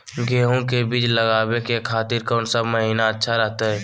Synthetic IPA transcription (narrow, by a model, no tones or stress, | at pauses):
ɡeːɦõkebiːt͡ʃləɡaːwekekʰaːt̪iɾkɔːnsabməɦiːnaətːʃʰaɾəɦt̪aɦɛː